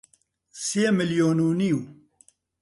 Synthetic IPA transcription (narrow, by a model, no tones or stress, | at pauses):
sjemɨljoːnuːniw